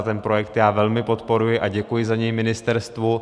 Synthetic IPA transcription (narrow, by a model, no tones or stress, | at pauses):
t̪ɛnpɾo̞jɛk̚t̪jaːvɛlmɪpo̞t̪po̞ɾujɪʔaɟɛkujɪzaɲɛjmɪnɪst̪ɛɾst̪vu